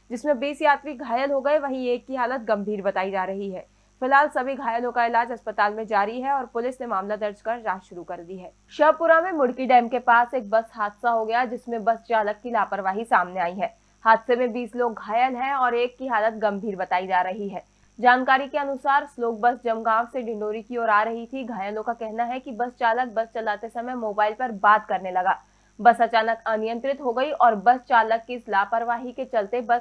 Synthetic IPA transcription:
d͡ʒɪsmẽbiːsjaːt̪ɾiɡʱaːjəlɦoɡɐeʋɐɦĩeːkːiɦaːlət̪ɡɐ̃mbʱiːɾbɐt̪aːid͡ʒaːɾɐɦiɦɛː | fɪlɦaːlsɐbʱiɡʱaːjəlõkaɪlaːd͡ʒɦɐspət̪aːlmẽd͡ʒaːɾiɦɛɔːɾpʊlɪsnemaːmlad̪ɐɾd͡ʒkɐɾːaːɦʃʊɾukɐɾd̪iɦɛː | ʃɐpʊɾamẽmʊɽkiɖɛːmkepaːseːk̚bɐsɦaːd̪saɦoɡɐjad͡ʒɪsmẽbɐst͡ʃaːləkːilaːpəɾʋaːɦisaːmneaːiɦɛː | haːd̪semẽbiːsloːɡːʱaːjəlɦɛ̃ɔːɾeːkːiɦaːlət̪̚ɡɐ̃mbʱiːɾbɐt̪aːid͡ʒaːɾɐɦiɦɛː | d͡ʒaːnkaːɾikeɐnʊsaːɾsloːk̚bɐsd͡ʒɐmɡãːʋseɖɪ̃ɳɖoːɾikiɔːɾaːɾɐɦit̪ʰiɡʱaːjəlõkakɛɦnaɦɛkibɐst͡ʃaːlək̚bɐst͡ʃɐlaːt̪esɐməjmoːbaːɪlpɐɾbaːd̪kɐɾnelɐɡaː | bɐsɐt͡ʃaːnəkɐnɪjə̃nt̪ɾɪt̪ɦoɡɐiʔɔːɾbɐst͡ʃaːləkːiɪslaːpəɾʋaːɦiket͡ʃɐlt̪ebɐs

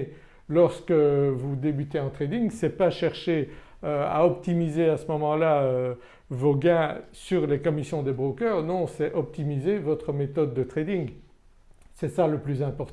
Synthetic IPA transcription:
lɔʁskəvud̪ebyt̪eɑ̃t̪χed̪iŋsɛpaʃɛʁʃe | øa̰ɔpt̪imizeasəmɔmɑ̃laø | voɡɛ̃syʁlekɔmisjɔ̃d̪ebʁokœʁnɔ̃sɛʔɔp̚t̪imizevɔt̪χəmet̪ɔd̪̚ːət̪χed̪iŋ | sɛsaləplyzɛ̃pɔʁt̪

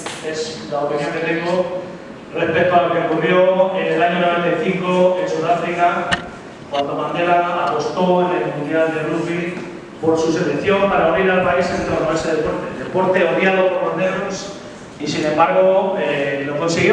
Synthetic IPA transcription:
esd̪aopenjaneɾeko | re̞spet̪oalo̞keo̞kurjoenelaɲonoβent̪ajθiŋkoensuðafɾika | kwand̪oβand̪eɾaapo̞st̪o̞enelmũnd̪jald̪eruzβi | po̞ɾsuse̞lekθjo̞mpaɾauniɾalpaisent̪ɾoaɾoaseðepoɾt̪elðepo̞ɾt̪eoðjaðo̞poɾβand̪eɾos | isinẽ̞mbaɾɣ̞oenoko̞nsiɣj

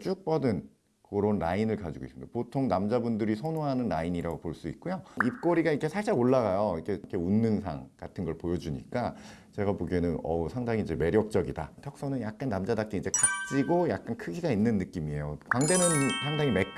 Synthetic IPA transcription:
t͡ɕ͈uk̚p͈ʌdɯn | koɾonɾainɯɭkad͡ʑiɡo̰is͈ɯmndepotʰoŋnamd͡ʑabundɯɾisʰʌnoɦanɯnɾa̰iɲiɾaɡopoɭs͈uḭt̚k͈ujoip̚k͈oɾiɡaikʰe̞sʰaɭɕ͈aoɭːaɣajʌikʰekʰe̞unːɯnsʰa̰ŋk͈atʰɯnɡʌɭpojʌd͡ʑuɲḭk͈at͡ɕe̞ɡapoɡenɯnʌsʰaŋdaŋiːd͡ʑe̞me̞ɾjʌk̚t͡ɕ͈ʌɡidatʰʌk̚s͈ʌnɯnjak̚k͈anːamd͡ʑadak̚k͈eid͡ʑe̞kak̚t͡ɕ͈iɡojak̚k͈ankʰɯɡiɡainːɯnːɯk͈imie̞jokwaŋde̞nɯnsʰaŋdaŋimek

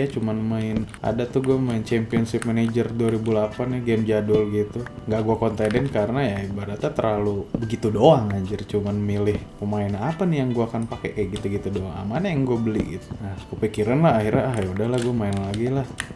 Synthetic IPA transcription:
at͡ʃumanmaɪnʔa̰dat̪uhɡuɛmaɪnt͡ʃɛmpiɔnsɪp̚maned͡ʒərduaɾibulapanɪɡɛmd͡ʒadʊlɡit̪uŋɡaʔɡuakɔnt̪edɛnkaɾənajaibadat̪at̪ərlalubəɡit̪udoaŋad͡ʒərt͡ʃumanmilɪhpəmaɪnanapanɪjaŋɡuaakanpakɛʔkaʔɡit̪uɡit̪udoaŋa̰manajaŋɡuabəlḭɡ̰t̪nahkəpikiɾanlaɦːhiɾɲaːɦjudahlahɡuamaɪnlaɡilah

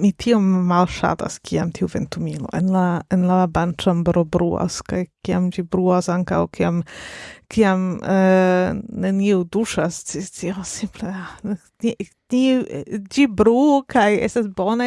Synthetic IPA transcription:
mitʰio̞mːalʃa̰ta̰skʰiamtʰiuve̞̰ntumilo̞̰enlaenlabant͡ʃambɾobɾua̰skajkiamd͡ʒibɾuasaŋka̰wkʰiamkiam | neniuduʃast͡sit͡siosimplea | ni | nid͡ʒibɾukʰajḛstasbona

